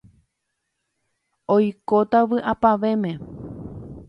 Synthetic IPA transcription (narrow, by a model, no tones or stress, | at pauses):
ojkot̪aʋɨʔapaʋe̞mẽ̞